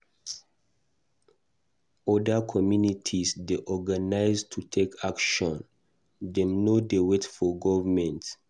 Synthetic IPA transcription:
ɔdəkʰɔmjunitʰisdeʔɔɡanaɪztʰutʰekakʃɔ̃n | dɛ̃mnodewetfɔɡɔvmɛ̃nt

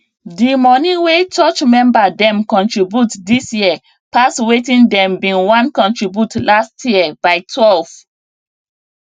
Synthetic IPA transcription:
dimɔnĩwet͡ʃɔt͡ʃmɛ̃mbadɛ̃mkɔ̃ntɹibjutdisjiə | pastwetĩndɛ̃mbĩnwãnkɔ̃ntɹibjutlastʰjibaɪtʰwɛlv̥

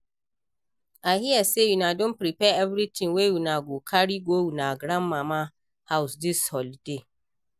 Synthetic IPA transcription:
ahiɛsejunãdʊ̃pɾipɛɛvɾitʰɪ̃ŋwewunãɡokʰaɾiɡowunãɡɾãmːãmã | haʊsdɪshɔlde

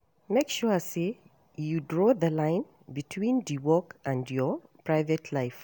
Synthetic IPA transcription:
mekʃɔse | judɹɔðəlãɪ̃n | bitʰwĩndiwɔkãndjɔpʰɹaɪvɛtʰlaɪf

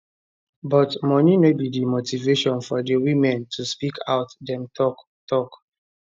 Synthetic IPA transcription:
bɔtmɔninobidimotiveʃɔ̃nfɔdewimɛ̃ntʰuspikʰaʊtdɛ̃mtʰɔk | tɔk

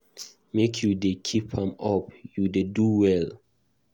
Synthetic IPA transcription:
mekʰjudekʰipʰãmɔpjudeduwɛl

